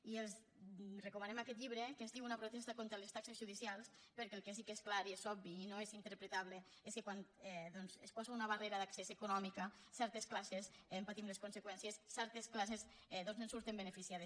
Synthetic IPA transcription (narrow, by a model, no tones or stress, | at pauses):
ielˠz | rekumanemakɛt̪̬̚ʎiβɾekezðiwunapɾot̪ɛst̪akont̪ɾelest̪aksezʒuðisialˠs | peɾkeːlˠkes̬ikesklaɾiezɔbiːnoezint̪eɾpɾet̪aβle | eskekwant̪ɛðɔnzespɔsaunaβareɾaðaksesekunɔmikasɛɾt̪esklasesempat̪imleskonsekwɛnsiesːɛɾt̪esklasezd̪onzẽnsuɾt̪embenefisiaðes